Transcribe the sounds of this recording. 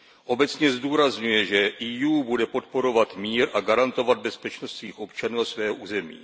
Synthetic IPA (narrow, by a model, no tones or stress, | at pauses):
ʔo̞bɛt͡sɲɛzduːɾazɲujɛʒɛʔijuːbudɛpo̞t̪po̞ɾo̞vat̪miːɾʔaɡaɾant̪o̞vad̪̚bɛspɛt͡ʃnost̪sviːxʔo̞pt͡ʃanuːasvɛːɦoʔuːzɛmḭː